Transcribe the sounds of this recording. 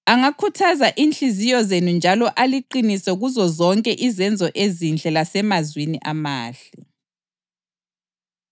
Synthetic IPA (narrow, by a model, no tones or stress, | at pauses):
aŋakʰutʰazaʔiːnt͡ɬʼizijɔzenund͡ʒʱalɔʔaliǃinisɛuɣuzɔzɔŋkʼɛʔizɛnd͡zʱɔʔezind͡ɮʱɛlasɛmazwiniʔamaːɬɛ